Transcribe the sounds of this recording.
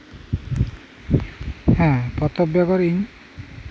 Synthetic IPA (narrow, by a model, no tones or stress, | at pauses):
hɛ̃pɔt̪ɔbjakɔɾin